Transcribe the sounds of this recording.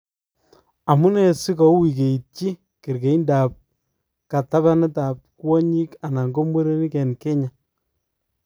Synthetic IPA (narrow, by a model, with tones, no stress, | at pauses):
a˨mu˦nɛ˨si˦kɔ˨˦wi˨k̬e˨i˨t̚t͡ʃi˦ | kɪ˨ɾke˨i˦nda˨p̚ | ka˨ta˦βa˦nɪ˦taː˨p̚kwɔ˦ɲi˦ka˨na˨ŋɡo˦mwe˦ɾe˦ni˦kɛ˨nkɛ˦ɲa˨